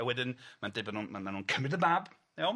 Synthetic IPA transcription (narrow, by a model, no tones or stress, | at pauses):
ɛwɛdɪnmandɪbanuːnmamanuːnkʰəmɪdəmab | ɛ